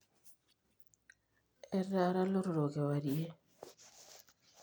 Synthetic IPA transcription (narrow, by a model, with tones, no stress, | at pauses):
ɛ˦rːa˦ɾa˦lo˦ɾo˨ɾo˨ke˨wa˨die˦